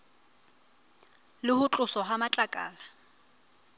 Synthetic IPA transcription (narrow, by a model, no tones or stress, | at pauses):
lɪhʊt͡ɬʼʊsɔɦamat͡ɬʼakʼa̰ːla